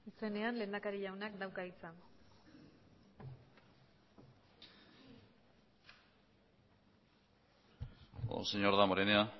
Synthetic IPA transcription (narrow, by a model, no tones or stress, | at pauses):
ise̞ne̞anle̞nd̪akaɾiʎawnakd̪awkait͡san | o̰seɲoɾðamoɾenea